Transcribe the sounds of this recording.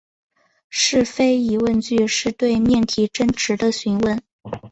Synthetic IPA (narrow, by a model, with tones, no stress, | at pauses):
ʂɻ̩˥˩fe˥ɪi˧˥wə˥˧nt͡ɕy˥˧ʂɻ̩˥˧t̪we˥˧ɪmjɛ˥˩nt̪ʰi˧˥ʈ͡ʂə˥nʈ͡ʂʰɻ̩˧˥d̪ə˧ɕy˧˥nwə˥˩n